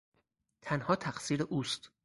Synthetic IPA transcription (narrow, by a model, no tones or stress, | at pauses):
t̪ʰænhɒːt̪ʰæχsiːɾeʔuːst̪